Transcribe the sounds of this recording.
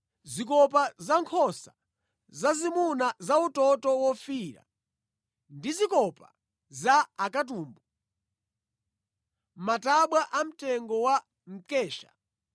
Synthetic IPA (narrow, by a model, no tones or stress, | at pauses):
zikɔp̬azaŋkʰɔsa | zazimunazautɔtɔwɔfiɾa̰ | ndizikɔpa | zaːkatuːmbu | mataɓwaʔam̩tɛŋɡɔwa | m̩ɛːʃa̰